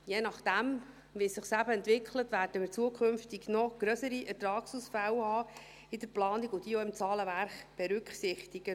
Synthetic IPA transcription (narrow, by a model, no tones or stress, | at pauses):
jeːnɑχd̥̪æm | ʋisɪχsæbəɛnt̪ʋɪkχlət̪ʋæːɾd̥əmɪːɾt͡suəkʰɵmft̪iɡnɔɡ̥ɾœsəɾiʔɛɾtɾɑːksusfæwhɑː | ɪd̥̪əɾplɑːniɡʊd̥iɔɪmt͡sɑːləvæɾχb̥ɛɾʉkχsɪχt̪iɡ̥ə